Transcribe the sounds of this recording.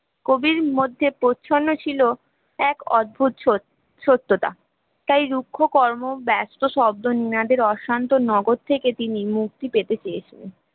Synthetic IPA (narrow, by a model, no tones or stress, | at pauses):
kobiɾmod̪ʱːepotːɕʰonːot͡ɕʰilo | ɛkɔd̪̚bʱut̪o | ʃot̪ːot̪a̰ | t̪ajɾukʰːokɔɾmobɛst̪oʃɔb̚d̪oninad̪eɾɔʃant̪onɔɡod̪̚t̪ʰeket̪inimuk̚t̪ipet̪et͡ɕeet͡ɕʰen